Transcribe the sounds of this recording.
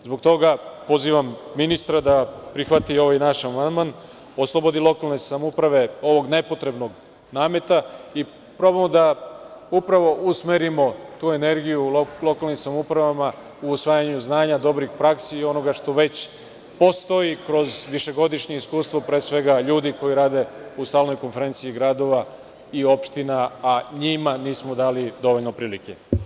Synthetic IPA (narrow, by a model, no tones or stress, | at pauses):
zbo̞ɡ̚t̪o̞ɡapo̞ziːʋamːinist̪ɾad̪apɾixʋat̪io̞ʋajnaʃamand̪man | oslˠobo̞d̪ilˠo̞kalne̞samupɾaʋe̞o̞ʋo̞ɡne̞po̞t̪ɾe̞bno̞ɡ | naːme̞t̪ai | pɾo̞bamod̪aupɾaʋo̞ʔusmeɾimo̞t̪uːe̞ne̞ɾɡijulˠo̞kalˠnimsamupɾaʋama | uːsʋaːjaɲuznaːɲad̪o̞bɾixpɾaksiːo̞no̞ɡaʃt̪o̞ʋe̞t͡ɕ | po̞st̪o̞jikɾo̞zʋiʃe̞ɡo̞d̪iʃɲeiskuːst̪ʋopɾeːsʋe̞ɡaʎuːd̪iko̞jiɾaːd̪e̞ust̪aːlno̞jko̞nfe̞ɾe̞nt̪siːɡɾaːd̪o̞ʋa | io̞pʃt̪inaaɲimaniːsmod̪aːlid̪o̞ʋo̞ʎno̞pɾiːlike̞